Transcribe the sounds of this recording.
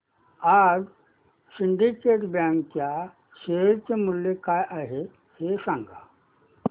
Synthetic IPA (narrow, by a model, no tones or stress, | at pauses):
aːd͡ʒ | siɳɖikeːʈbãːŋkkja | ʃeɾt͡ʃemuljekaːjʔaɦe | hesãŋɡʱa̰